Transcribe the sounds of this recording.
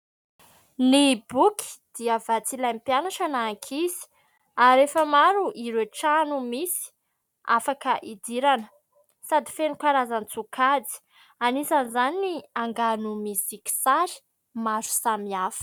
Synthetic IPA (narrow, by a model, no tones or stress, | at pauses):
nibukʰi̥d̪̥iəvat͡silampianaʈ͡ʂanaːŋkʰizi̥ | aɾefəmaɾuʔiɾeʈ͡ʂanumisi̥ | afakəʔid̪iɾanə̥ | sad̪ifenikaɾazant͡sukʰad͡zi̥ | anisanizaniniaŋɡanumisiki̥saɾi̥ | mazu̥samiafə̥